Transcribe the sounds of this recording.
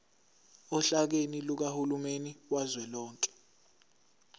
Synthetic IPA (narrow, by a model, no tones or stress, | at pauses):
ɔɬak̬eniluk̬ahulumeniwazwɛlɔːŋkʼɛ̥